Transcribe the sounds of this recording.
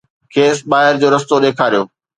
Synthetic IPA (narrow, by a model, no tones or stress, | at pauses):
kʰeːsɓaːɦɪɾd͡ʑoːɾɐst̪oɗeːkʰaːɾijoː